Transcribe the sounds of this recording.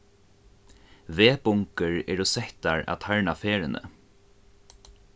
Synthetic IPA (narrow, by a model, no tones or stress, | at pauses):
veːpʊŋkəɹɛ̰ɹɔsɛht̪aɹa̰t̪ʰaɹnafeːɾɪnʔə̰